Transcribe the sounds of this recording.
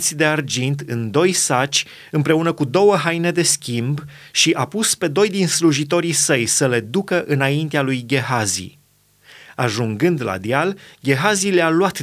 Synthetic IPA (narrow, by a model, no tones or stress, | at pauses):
t̪sʲd̪e̞ard͡ʒint̪ɨnd̪o̞jsat͡ʃʲ | ɨmpɾe̞unəkud̪o̞wəɦajne̞d̪e̞skʲimb | ʃiʔapuspe̞d̪o̞jd̪insluʒit̪̬o̞ɾisəjsəle̞d̪ukəʔɨnaint̪ealujɡʲe̞ɦazḭ | aʒuŋɡɨnd̪la̰d̪ialɡʲe̞ɦazilealuwat̪